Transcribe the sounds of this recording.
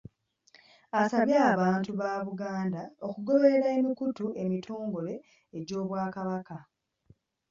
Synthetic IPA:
asaβjaːβaːntuβaːβuɡaːndao̞kuɡo̞βe̞ɾaemikutue̞mitʰoːŋɡole̞ː | ɟo̞ːβwaːkaβaka

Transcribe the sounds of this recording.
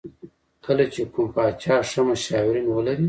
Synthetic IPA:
kəlat͡ʃekumpɑːt͡ʃɑːʂamaʃɑwɪɾinwəlaɾi

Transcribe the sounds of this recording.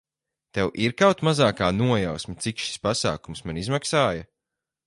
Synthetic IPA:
t̪ɛwʔiɾkawt̪mazaːkaːnuɔjawsmit̪sikʃi̥spasa̰ːkumsmanizmaksaːja

